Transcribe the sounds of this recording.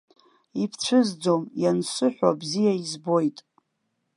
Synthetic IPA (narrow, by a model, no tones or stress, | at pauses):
ipʰt͡ɕʷʰɨzd͡zo̞mjansɨħʷᶣa̰bzijaizbo̞jtʼ